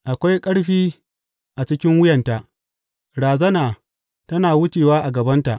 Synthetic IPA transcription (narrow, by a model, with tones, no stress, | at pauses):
ʔa˨kʷa˦jkʼɐ˦ɽɸiː˦ | ʔa˨t͡ʃɪ˦kʲɪ˦ŋwʊ˦jɐ˨nta˨ʔ | ɽaː˨zɐ˦naː˨ | tɐ˦naː˨wʊ˦t͡ʃeː˨waː˦ʔa˨ɡɐ˨bɐ˦nta˨ʔ